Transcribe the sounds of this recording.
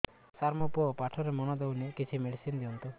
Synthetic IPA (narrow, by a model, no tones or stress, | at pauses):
saɾmɔpɔpaʈʰɔɾemɔnɔd̪ewnekit͡ʃʰimeɽisind̪iɔnt̪u